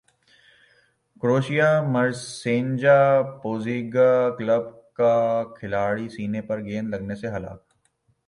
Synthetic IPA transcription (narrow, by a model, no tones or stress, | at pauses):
kɾoːʃijamɐɾsẽːɲd͡ʒapoːziːɡakləb̚ | kakʰɪlaːɽisiːnepɐɾɡeːnlɐɡneseɦɐla̰ːk̚